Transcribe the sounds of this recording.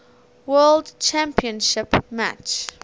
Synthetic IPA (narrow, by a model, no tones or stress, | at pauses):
wɜːldt͡ʃʰæ̃mpiə̃nʃɪpma̰t͡ʃ